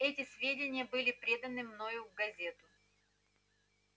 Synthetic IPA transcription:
ɛtʲɪsvʲedʲɪnʲɪjəbɨlʲɪpɾʲe̞d̪ənɨmnojʊvɡɐzʲe̞t̪ʊ

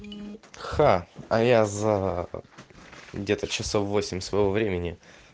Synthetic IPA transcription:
xaɐjazə | ɡdʲe̞t̪ət͡ɕːɪso̞fːo̞sʲɪmʲsvəjɪvo̞vɾʲemʲɪnʲɪ

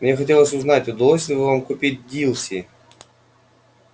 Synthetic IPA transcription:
mnʲexɐtʲe̞lˠəsʲʊznatʲʊd̪ɐlˠosʲlʲɪvɨvamkʊpʲit̚ʲdʲilˠsʲi

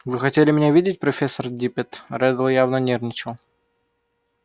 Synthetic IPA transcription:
vɨxɐtʲelʲɪmʲɪnʲavʲidʲɪtʲpɾɐfʲesːərdʲipʲɪt̪ɾʲɛd̪əlˠjavnɐnʲernʲɪt͡ɕɪlˠ

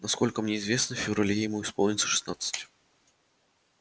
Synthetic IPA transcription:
naskɔlʲkəmnʲɛizvʲesnəfʲɪvɾalʲejjɪmuɪspɔlˠnʲɪt̪sə̥ʂɨ̥snat̪sə̥t͡sʲ

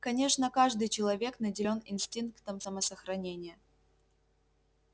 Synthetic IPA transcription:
kɐnʲe̞ʂnəkaʐd̪ɨjt͡ɕɪlˠɐvʲe̞knədʲɪlʲo̞nɪnsʲtʲinkt̪əmsəməsəxɾɐnʲenʲɪjə

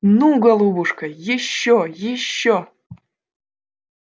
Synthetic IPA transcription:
nuɡɐlˠubuʂkʰɐjɪɕːojɪɕːo

